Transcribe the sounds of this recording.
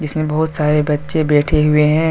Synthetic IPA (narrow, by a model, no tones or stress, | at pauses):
d͡ʒɪsmẽbɐɦʊt̪saːɾebɐtːʃẽbɛːʈʰeɦʊeɦɛ̃ː